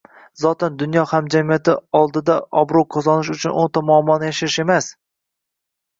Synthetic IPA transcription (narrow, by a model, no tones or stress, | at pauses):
zɒt̪ʰɪnd̪ʊnjɒhamd͡ʒamijat̪ɪɒlˠd̪ɪd̪aɒbɾoqʰozɒnɪʃʊt͡ʃʰʊnʔont̪ʰɒmʊɒmːɒnɪjaʃɪɾɪʃe̞mas